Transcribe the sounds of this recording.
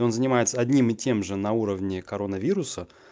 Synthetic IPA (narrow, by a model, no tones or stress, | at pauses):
o̞nzənʲɪmajɪt̪səɐdʲnʲimɨtʲe̞mʐɨnɐuɾəvnʲɪkɐɾonəvʲiɾʊsə